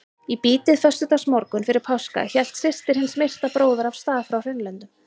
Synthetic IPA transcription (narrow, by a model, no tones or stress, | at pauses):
ipiːt̪ɪðfœst̪ʏt̪asmɔɾkʏnfɪɾɪɾ̥pʰawska̰çɛl̥t̪sɪst̪ɪɾ̥hɪnsmejr̥st̪apɾoːwðʏɾav̥st̪aːðfɾawr̥ɪnlɛnt̪ʏm